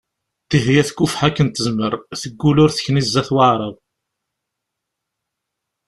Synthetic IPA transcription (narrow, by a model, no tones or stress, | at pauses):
t̪iɦjæθkːufħækːənt̪ːəzməɾθəɡːulʊɾθə̥çnizːæθwəʕɾˤəðˤ